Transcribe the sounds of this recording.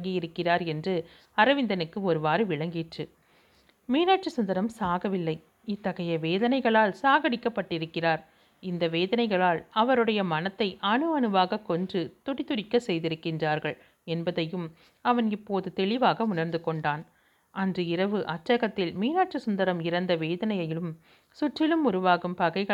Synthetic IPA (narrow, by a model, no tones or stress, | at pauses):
ŋɡijɪɾɯkːɪraːɾɛndrɯ | ɐɾɐʋɪnd̪ɐnɯkːɯɔɾɯʋaːɾɯʋɪɭɐŋɡiːʈrɯ | miːnaːʈ̚t͡ʃɯsʊnd̪ɐɾɐmsaːɣɐʋɪlːɐɪ | ɪt̪ːɐɣɐjɐʋeːðɐnɐɪɣɐɭaːlsaːɣɐɽɪkːɐpːɐʈːɪɾɯkːɪraːɾ | ɪnd̪ɐʋeːðɐnɐɪɣɐɭaːlɐʋɐɾɯɽɐjɐmɐnɐt̪ːɐɪʔɐnɯɐnɯʋaːɣɐkːɔndrɯt̪ʊɽɪt̪ːʊɾɪkːɐsɛjðɪɾɯkːɪndraːɾɣɐɭ | ɛnbɐðɐjɯm | ɐʋɐnɪpːoːðɯt̪ɛɭɪʋaːɣɐʊnɐɾnd̪ɯkɔɳɖaːn | ʔɐndrɯɪɾɐʋɯʔɐʈːɐɣɐt̪ːɪlmiːnaːʈ̚t͡ʃɯsʊnd̪ɐɾɐmɪɾɐnd̪ɐʋeːðɐnɐjɐjɪlɯm | sʊʈrɪlɯmʊɾʊʋaːɣɯmpɐɣɐɪɣɐ